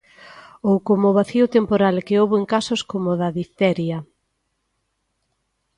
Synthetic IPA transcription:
owkomʊβaθiʊt̪empoɾalkeowβeŋkasoskomoðɐðit̪ɛɾjɐ

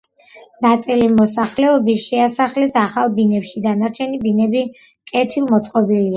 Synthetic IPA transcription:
nat̪sʼilimɔsaχlɛɔbisʃɛasaχlɛsaχalˠbinɛpʃid̪anaɾt͡ʃʰɛnibinɛbi | kʼɛt̪ʰilˠmɔt̪sʼqʼɔbilia

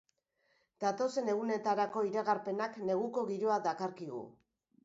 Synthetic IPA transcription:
d̪̥at̪o̞se̞ne̞ɣune̞t̪aɾako̞iɾaɣaɾpe̞nakne̞ɣuko̞ɣiɾoad̪akaɾkiɣ̞ṵ

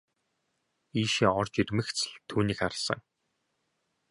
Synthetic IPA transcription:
iːʃiːŋɔrt͡ɕiɾʲmɘ̆xt͡sɘ̆ɮt̪ʰːuːniːkχaɾ̆sə̰̆ŋ

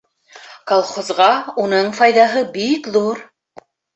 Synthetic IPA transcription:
kɑlˠχozʁɑunɤɴfɑjðɑɦɤbikðuɾ

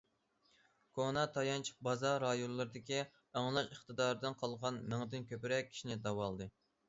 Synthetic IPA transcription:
kʰonɑt̪ʰɑjɑnt͡ʃ̚ʰbɑzɑɾɑjonlˠɨɾɨd̪ɪkʲi | æŋlˠɑʃəχt̪ɨd̪ɑːɾd̪ɨnqʰɑlˠʁɑnmɪŋd̪ɪnkʲʰøpɪɾɛk̚ʲʰːi̥ʃinɪd̪ɑwɑlˠd̪ɨ

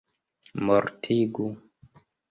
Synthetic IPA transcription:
mɔɾtʰiɡu

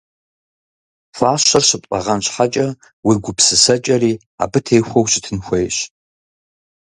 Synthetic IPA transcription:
faːɕɐrɕɪpʼqʼɐ̰ʁɐnɕħat͡ʃʼɐ | wiɡʷʊpsɨsɐt͡ʃʼɐriː | a̰ːbɨtʰejxʷowɕɪtʰɨnxʷejɕ

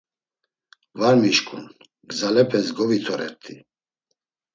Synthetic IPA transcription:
vaɾmiʃkʰʼṵn | ɡzalɛpʰɛsɡɔvit̪ʰɔɾɛ̰ɾt̪ʰi

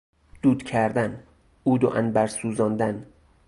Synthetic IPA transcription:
d̪̥uːd̪̥cʰæɾd̪æn | uːd̪o̰ʔænbæɾsuːzɒːnd̪æn

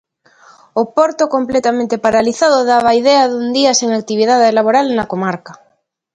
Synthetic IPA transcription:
opoɾt̪okomplet̪amẽnt̪epaɾaliθaðoðaβ̞aiðeaðund̪iaseŋak̚t̪iβ̞iðaðelaβ̞oɾalnakomaɾka

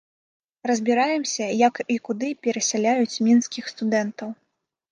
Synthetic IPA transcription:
rɐzʲbʲiɾajɛmsʲɐjɐkikud̪ɨpʲɛɾɐsʲalʲajut͡sʲmʲinskʲixst̪ud̪ɛnt̪ɐw

